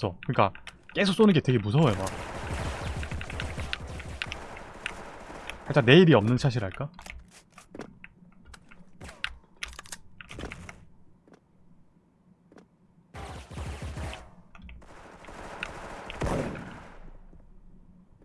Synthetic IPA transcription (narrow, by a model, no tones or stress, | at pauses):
sʰʌkɯɲik͈a | k͈esʰok̚s͈onɯnŋɡe̞twe̞ɡemusʰʌwʌemak | kʰat͡ɕ͈ane̞iɾiʌmnɯnsʰaɕ̬ʰiɾɦaɭk͈a